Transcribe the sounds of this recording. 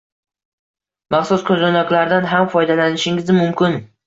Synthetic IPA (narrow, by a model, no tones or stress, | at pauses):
mɑχsʊskʲʰɵzanɒkʲlaɾd̪anɦamfɒjd̪alanɪʃɪŋɪzɪmʊmkʲɪn